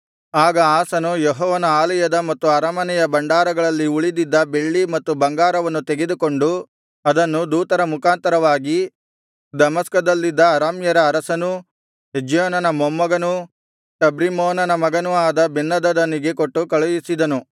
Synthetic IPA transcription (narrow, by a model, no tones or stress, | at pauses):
aːɡɐaːsɐnujeɦɔːʋɐnɐaːlɐjɐd̪ɐmɐt̪ːuɐɾɐmɐnɛjɐbɐɳɖaːɾɐɡɐɭɐlːiuɭid̪id̪ːɐbe̞ɭːimɐt̪ːubɐŋɡaːɾɐʋɐnːut̪eɡe̞d̪uko̞ɳɖu | ɐd̪ɐnːud̪uːt̪ɐɾɐmukaːnt̪ɐɾɐʋaːɡi | d̪ɐmɐskɐd̪ɐlːid̪ːɐːɾaːmjɐɾɐːɾɐsɐnu | ɦed͡ʒjoːnɐnɐmɔmːɐɡɐnu | ʈɐbɾimɔːnɐnɐmɐɡɐnuaːd̪ɐbinːɐd̪ɐd̪ɐniɡe̞koʈːukɐɭujisid̪ɐnu